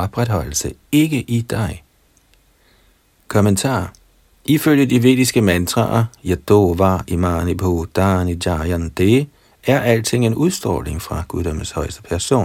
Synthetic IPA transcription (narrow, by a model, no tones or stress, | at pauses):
ɒ̽b̥ʁad̥hɒ̽l̰l̩səe̝ɡ̥əʔid̥ɑ̈ɪ | kʰɒ̽mənt͡sʰɑ̰̈ː | ʔiføl̰jədiʋe̝̰ːd̥isɡ̥əmænt͡sʰʁɑ̰ɐjɑd̥oːʋɑ̈imɑ̈ːnipʰod̥ɑ̈nidɑjænd̥e | æɐʔæl̰t͡sʰe̝ŋ̰enuðˠsd̥ʁɔ̰ːle̝ŋfʁɑ̈ɡ̥uðˠd̥ɒmən̩shɒ̽ɪ̰sd̥ə̥pʰæɐso̝̰ːn